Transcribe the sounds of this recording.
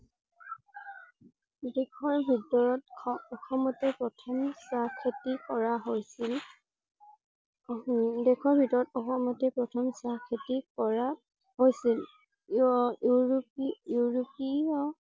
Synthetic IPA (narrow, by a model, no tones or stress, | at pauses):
dɛkʰɔɹbʱitɔɹɔt̚ɔkʰɔmɔtɛpɹɔtʰɔmsakʰetikɔɹaɦojsil | dɛkʰɔɹbʱitɔɹɔtɔxɔmɔtɛpɹɔtʰɔmsakʰetikɔɹa | hojsil | ɹijuɹopiɔ